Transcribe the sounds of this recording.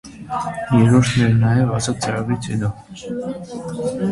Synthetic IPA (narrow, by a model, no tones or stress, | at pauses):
jɛɾɔɾt̪ʰnɛɾnɑjɛvɑzɑt̪̚t͡sɑɾɑbit͡sʰhɛ̰d̪ɔ